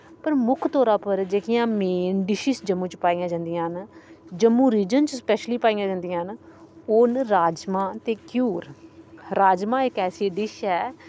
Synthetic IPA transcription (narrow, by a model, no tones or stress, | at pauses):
pəɾmʊkʰt̪ɔːɾãːpəɾd͡ʒeːkɪjãːmeːnɖɪʃisd͡ʒəmːũːt͡ʃpaːijãːd͡ʒãːnd̪ijãːɦnd͡ʒəmːũːɾiːd͡ʒənt͡ʃspɛːʃliːpaːijãːd͡ʒãːnd̪ijãːɦənoːnɾaːd͡ʒmãːt̪eːkjuːɾɾaːd͡ʒmãːɪkɛːsiːɖɪʃɛː